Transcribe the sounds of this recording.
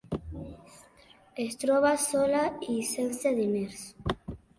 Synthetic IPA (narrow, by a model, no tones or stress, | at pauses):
est̪ɾoβasolaisenseðimeɾso̥